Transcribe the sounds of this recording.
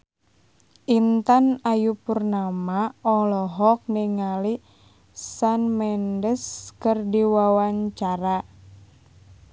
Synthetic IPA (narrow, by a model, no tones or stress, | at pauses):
ʔint̪anajupurnamaɔlɔɦɔk̚niŋali | sanmɛndəskərdiwawaɲt͡ʃaɾa